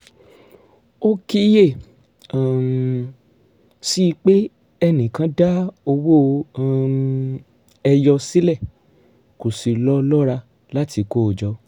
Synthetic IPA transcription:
o˦ki˦je˦˨ | a˨m | si˦˧k͡pe˦ | ɛ˧nĩ˨kã˨˦da˦o˧wo˦˨ | ɛ˧jɔ˧si˦lɛ˦˨ | ko˨si˨lɔ˦lɔ˦ɾa˧ | la˦tʰi˧ko˦o˨d͡ʒɔ˨˦

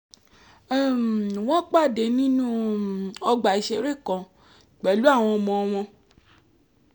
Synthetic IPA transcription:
w̃ɔ̃˦k͡pa˦˨de˨˦nĩ˦nũ˦ɔ˧ɡ͡ba˨i˨˦ʃe˧ɾe˦˨kɔ̃˨ | k͡pɛ˨˦lu˦a˦˨w̃ɔ̃˧ɔ˧mɔ̃˧ɔ˧mɔ̃˧

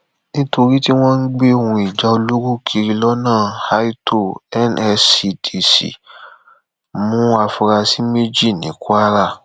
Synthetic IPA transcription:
nĩ˦to˧ɾi˦ti˦w̃ɔ̃˦n̩˦ɡ͡be˦o˧wũ˧i˨d͡ʒa˨˦o˧lo˦ɾo˦˨kʰi˧ɾi˧lɔ˦nãː˦˨ha˦i˦to˦˨ɛ˦nɛ˧si˧tʰi˨sḭ˨ | mũ˦a˧fu˧ɾa˧si˦me˦d͡ʒi˦˨nĩ˨˦ku˦a˦ɾa˦˨

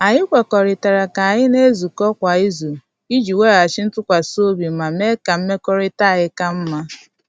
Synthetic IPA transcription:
a˨ɲɪ˦kʷe˨kɔ˨ɾɪ˨ta˨ɾa˨ka˨a˨ɲɪ˦ne˦zu˨kɔ˦kʷa˨i˦zu˨ | i˦d͡ʒi˨we˦˨a˨t͡ʃɪ˦n̩˦tʊ˦kʷa˨so˦bi˨ma˨me˦ka˨m̩˦me˦kɔ˦ɾɪ˦ta˦˨ɣɪ˦ka˦m̩˦ma˦

